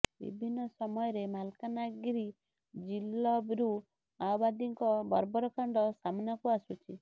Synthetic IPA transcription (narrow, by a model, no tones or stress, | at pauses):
bḭbʱinːɔsɔmɔjɔɾemalkanaɡɾi | d͡ʒilɔbɾu | awbad̪iŋkɔbɔɾbɔɾɔkaɳɖɔsamnakuasut͡ʃʰi